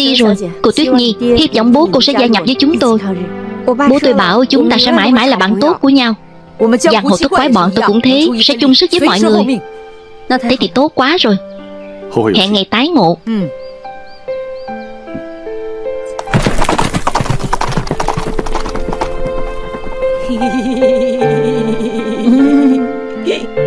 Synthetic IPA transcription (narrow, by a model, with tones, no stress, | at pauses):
i˧zo˨˩jko˧˩t̪wi˦˥ət̚ɲi˧hi˦˥p̚zɔ˧˨wŋ͡mɓo˨˦ko˧sɛ̰˧˥zaː˧jɲa˨˩p̚zəː˨˦jt͡ɕʊ˨˦ŋ͡mt̪o˧j | ɓo˨˧˦t̪o˧jɓaː˧˩wt͡ɕʊ˨˦ŋ͡mt̪aː˧sɛ̰˧˥maː˧˩jmaː˧˥˩jlaː˨˩ɓa̰ː˧˨nt̪o˦˥t̚ku˧˩əɲa˧w | ɨ˧zaː˧˩ho˨˩t̪ʰɨ˦˥kwaː˨˦jɓɔ̰ː˧˨nt̪o˧jkʊ̰˧˥ŋ͡mt̪ʰe˨˦sɛ̰˧˥t͡ɕʊ˧ŋ͡msɨ˦˥zi˦˥mɔ̰˧˨jŋɨ˨˩əjj | t̪t̪ʰe˨˦t̪ʰi˨˩t̪o˦˥t̚kwaː˨˦zo˨˩j | hɛ̰˧˨ŋɛ˨˩t̪aː˨˦jŋo̰˧˨